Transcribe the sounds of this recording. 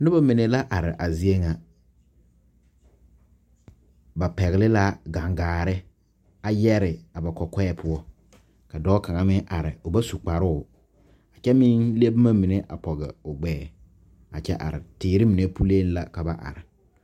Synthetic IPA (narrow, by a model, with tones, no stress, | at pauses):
nʊ˦ba˦mɪ˨ne˦la˦ʔa˨ɾɪ˨ʔa˨zi˦e˦ŋa˨ | ba˨pɛ˨ɣɪ˨lɪ˦la˦ɡa˨ŋɡaː˨ɾɪ˦ | a˦jɛ˦ɾɪ˨a˨ba˨kɔ˨kɛ˦ɛ˦pʰʊ˦ɔ˦ | ka˨dɔː˦ka˨ŋa˦mɪ˦ʔa˨ɾɪ˨ʊ˨ba˦su˨k͡pa˨ɾʊ˦˨ | a˨t͡ʃɛ˦mɪ˦nle˦bma˦mi˨ne˦ʔa̰˨pɔ˨ɣɪ̰˨ʊ˨ɡ͡bɛː˨ | a˨t͡ʃɛ˦ʔa̰˨ɾɪ̰˨tɪː˨ɾɪ˦mi˨ne˦pu˦le˦n˦la˨ka˨ba˦ʔa̰˨ɾɪ˨